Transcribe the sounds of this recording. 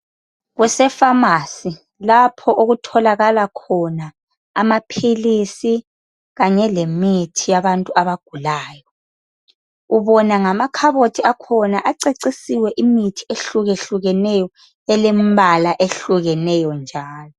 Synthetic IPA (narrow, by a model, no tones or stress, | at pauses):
ɣwɛsɛfamaːsi | lapʰɔʔoɣutʰɔlaɣalakʰɔna | amapʰilisi | ɣaɲɛlemitʰijaβantʼuaβaɡ̥ʱulaːjɔ | uβɔnaŋamakʰaβotʰiakʰɔnaʔaǀeǀisiwɛʔimitʰi̥eɬuɣeɬuɣɛnɛjɔ | ɛlembʱalaʔeɬuɣɛnɛjɔnd͡ʒʱaːlɔ